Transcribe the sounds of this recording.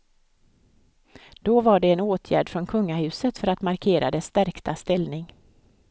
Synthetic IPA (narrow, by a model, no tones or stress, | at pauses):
d̪̥ɔvaɖɛːnoːt̪ʰjæ̰ːɖfɾɔnkʰɵŋːahʉ̟ːsət̪fœɾat̪maɾkʰeːɾʔa̰d̪ɛst̪æɾkt̪ʰast̪ɛlnɪŋ